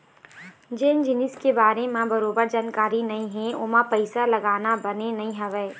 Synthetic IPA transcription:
d͡ʒeːɪ̃nd͡ʒɪnɪskebaːɾemãbɐɾoːbəɾd͡ʒaːnkaːɾinɐɦĩɦɛ̃ʊmãpɐɪsalɐɡaːnabɐnenɐɦĩɦɐʋɛː

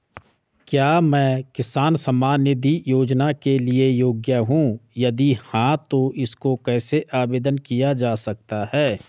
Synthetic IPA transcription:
kjaːmɛ̃ːkɪsaːnsəmaːnjəd̪ijoːd͡ʒnakeliejoːɡjəɦũjɐd̪ihãt̪oʔɪskokɛːseʔaːbeːd̪ənkijad͡ʒaːsɐk̚t̪aɦɛː

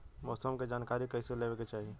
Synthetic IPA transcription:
mɔːsəmked͡ʒaːnkaːɾikɛːseleːʋeket͡ʃaːɦie

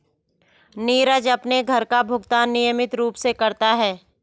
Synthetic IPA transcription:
niːɾəd͡ʒɐpneɡʱɐɾkabʱʊɡt̪aːnːɪjəmɪt̪ɾuːpsekɐɾt̪aɦɛː

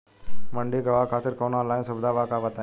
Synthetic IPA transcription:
mɐɳɖiːɡɐʋaːkʰaːt̪ɪɾkoːnãːlaːĩnsɐbd̪aːʋaːkaːʋɐt̪a

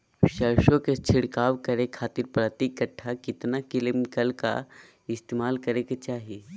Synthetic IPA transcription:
ʃəɾʃõket͡ʃʰɪɽkaːʋkɐɾekʰaːt̪ɪɾpɾət̪ikːəʈʰːakɪt̪nakɪlɪmkəlka̰ | ɪst̪eːmaːlkɐɾeket͡ʃaːɦie

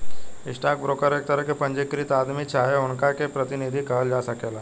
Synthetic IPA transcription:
iʂʈak̚bɾokəɾek̚t̪əɾəkepəɲd͡ʑekɾiːt̪ad̪miːt͡ɕʰaɦeoɳkakepɾət̪inid̪ʱiːkəld͡ʒasəkela

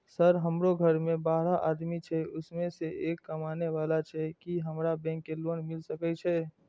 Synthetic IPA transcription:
səɾɦəmɾoɡʱəɾmẽbaːɾaʔad̪mit͡ʃʰɛʊsmẽseʔekːəmaːneʋalat͡ʃʰɛkiɦəmɾabɛ̃ːkːeloːnmɪlsəkɛt͡ʃʰɛ

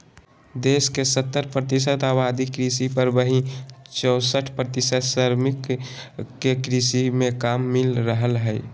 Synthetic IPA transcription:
d̪eːskesət̪ːəɾpɾət̪isət̪aːbaːd̪ikɾisipəɾbəɦĩt͡ʃəːsəʈʰpɾət̪ɪsət̪səɾmɪkː | ekɾisimẽkaːmːɪlɾəɦəlɦɛɪ

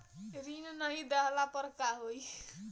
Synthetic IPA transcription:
ɾinnʌɦid̪aɦlapʌɾkaɦoj

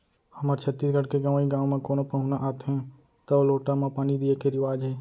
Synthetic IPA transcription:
həmaɾt͡ʃʰət̪ːiːsɡəɽkeɡəʋaːiɡãːʋmãkoːnopəɦʊ̃naʔaːt̪ɦɛ̃ | t̪aoloːʈamãpaːnid̪iekeɾɪʋaːd͡ʒɦeː

